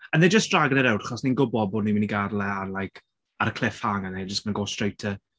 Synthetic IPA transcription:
ənðɛd͡ʒəsd̥raɡənəɾɛwdḁχɔsninɡʊbɔboːdnimɪniɡadlˠɛarlˠajkʰ | aɾəkʰl̥ˠɪfhaŋənɛd͡ʒəsənənɡoːstrejtʰə

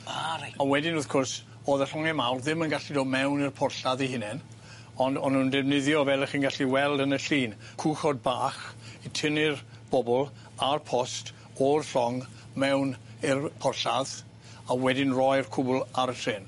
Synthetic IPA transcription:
aɾaawɛdɪnʊθkʰɔrs | oːðəɬɔŋɛmawrðɪmənɡaɬidoːd̚mɛwnɪrpʰɔrɬaðiɦɪnɛn | ɔndɔnundɛvnɪðjɔvɛlˠəχiːnɡaɬiwɛlˠdənəɬiːn | kʰuːχɔd̚baːχitʰɪnɪr | b̥ɔbɔlˠ | arpʰɔst | orɬɔŋ | mɛwn | ɪrpʰɔrɬað | awɛdɪnrɔjrkʰʊbʊlˠaɾətʰrɪn

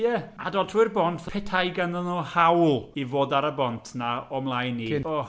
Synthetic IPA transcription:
jɛa̰dɔdʰwɪrbɔntʰpʰɛtʰajɡanðənɔhawlˠivoːdaɾəbɔntʰnaɔmlˠajniɔ

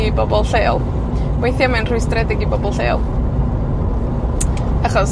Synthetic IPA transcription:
ibɔbɔlˠɬeːlˠ | wejθjamɛnrʊɨstrɛdɪɡibɔbɔlˠɬeːlˠ | aχɔs

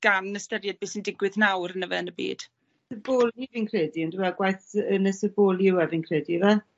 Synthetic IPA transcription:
ɡ̥anəstəɾjɛd̚beːsəndɪɡwɪðnawɾənəvɛ̰ənəbḭːd̥ | əboːlˠivinkʰrɛːdiənduwɛɡwajθənəsəboːlˠjɪwɛvɪnkʰr̥ɛːdivɛ

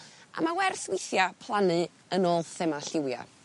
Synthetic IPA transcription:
ʔa̰mawɛrθwɪjθjapʰlˠanɨ | ənoːlˠθɛmaɬɪwja̰

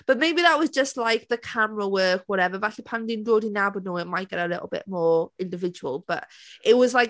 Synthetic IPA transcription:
b̥əʔmeɪbiðəʔwɒzd͡ʒəstˡlajk̚ðəkʰamɹəwɜːˑkwɔɾɛvəvaɬipʰãndɪ̃ndoːdinabənuɪnmajʔ̚ɡ̥ɛɾəlɪ̰ʔl̩ˠbɪ̰ʔmɔːɹɪ̃ndɪvɪd͡ʒəwə̰lˠb̥ʌ̰ʔɪʔwɒzlaɪk

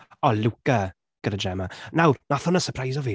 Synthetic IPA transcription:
ɔluka | ɡ̥əɾədɛmanawrnaθɔnəsəpʰrajsɔvi

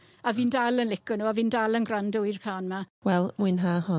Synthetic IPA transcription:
aviːndalˠənlɪkɔnuːaviːndalˠənɡrandʊjrkʰaːnmawɛlˠmwiːnɦaːhɔ

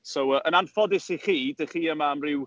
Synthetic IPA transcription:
sowəʔənanfɔdɪsiχiːdəχiːəmaəmrɪw

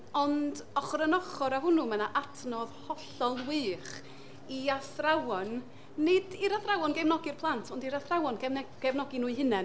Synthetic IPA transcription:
ɔndɔχrənɔχɔɾaɦʊnumanaʔatʰnɔðhɔɬɔlˠwɨːχ | iaθrawɔnː | ɨdiɾaθrawɔnɡɛmnɔɡɪrpʰlˠantʰɔndiɾaθrawɔnɡɛnɛɡ̥ɛvnɔɡɪnuɨhɪnɛ

